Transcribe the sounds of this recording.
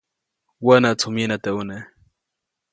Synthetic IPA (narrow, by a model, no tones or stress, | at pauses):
wanat͡sʰuminat̪eune